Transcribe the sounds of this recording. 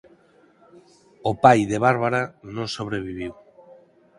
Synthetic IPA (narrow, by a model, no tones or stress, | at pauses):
opajðeβaɾβaɾanõŋsoβɾeβ̞iβ̞iw